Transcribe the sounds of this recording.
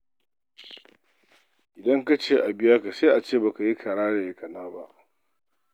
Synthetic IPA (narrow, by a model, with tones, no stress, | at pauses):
ʔɪ˨dɐ˦ŋka˦t͡ʃeː˦ʔa˨bɪ˦jɐ˦ka˨se˦ʔa˨t͡ʃeː˦˨ba˨ka˨ji˦kʰa˨ɽaː˦ɽe˨kɐ˨naː˦ba˦ʔ